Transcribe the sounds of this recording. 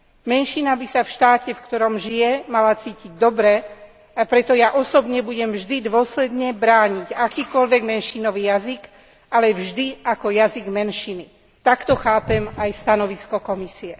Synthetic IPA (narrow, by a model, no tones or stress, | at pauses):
mɛnʃinabisafʃt̪aːcɛfkt̪ɔɾɔmʒijɛmalat͡siːciɟ̚d̪ɔbɾɛ | apɾɛt̪ɔjaʔɔsɔbɲɛbuɟɛmvʒd̪id̪ʊɔslɛd̪ɲɛbɾaːɲiɟakiːkɔʎʋɛɡmɛnʃinɔʋiːjazik | alɛvʒd̪iakɔjaziɡmɛnʃini | t̪akt̪ɔxaːpɛmajst̪anɔʋiskɔkɔmisiɛ